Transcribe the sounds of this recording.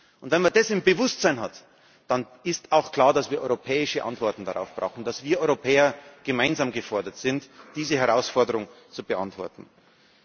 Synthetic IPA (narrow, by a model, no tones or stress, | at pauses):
ʔʊntv̥ɛnmɐdɛsɪmbəvʊstz̥aɪnɦat | d̥an | ɪstaʊxkl̥aːɐdasv̥iːɐʔɔ̰ʏʁopʰɛːɪʃəʔa̰ntv̥ɔɐtn̩daʁa̰ʊfb̥ʁaʊxn̩d̥asv̥iːɐʔɔʏʁopʰɛːɐɡ̥əmaɪnzaːmɡəfɔɐdɐtz̥ɪntd̥iːzəhɛʁaʊsfɔɐdəʁʊŋ | t͡subəʔa̰ntv̥ɔ̰ɐtn̩